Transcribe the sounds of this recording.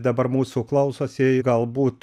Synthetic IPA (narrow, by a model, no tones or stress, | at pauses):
d̪ɐbɐɾmuːsuːklˠɐʊsoːsʲɪɡɐlˠbuːt̪